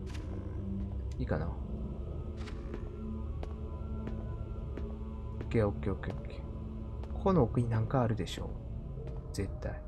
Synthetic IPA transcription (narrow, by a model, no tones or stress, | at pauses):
iːkana | kːeːokːeːokːeokːe̥ | kʰonoːkɯ̟ɲ̟inãŋkaːɾɯ̟d̪e̞ɕo̞̰ː | z̥e̞t̪ːa̰i